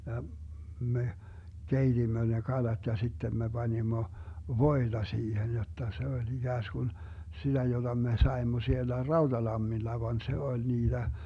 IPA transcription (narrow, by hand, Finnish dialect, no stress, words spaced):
jɑ me keitimːø ne kɑlɑt jɑ sitːen me b̥ɑnimːo ʋoid̥ɑ siːhen jotːɑ se olʲ iɡ̊æːsɡ̊un sid̥æ jod̥ɑ me sɑemːo sielːæ rɑud̥ɑlɑmːilːɑ ʋɑn se olʲ niːd̥æ